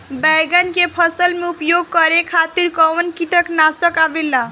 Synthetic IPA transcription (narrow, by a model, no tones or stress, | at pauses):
bɛɡənkepʰəsəlmeupjoɡ̚kəɾekʰat̪iɾkɔwənkiʈəknast̪əkabelːa